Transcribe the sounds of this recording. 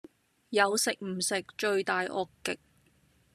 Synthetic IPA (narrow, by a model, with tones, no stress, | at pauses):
jɐ˨˧wsɪ˨k̚m̩˨˩sɪ˨k̚t͡ʃɵ˨˧ɥt̪aː˨jʔɔː˧kːɪ˨k̚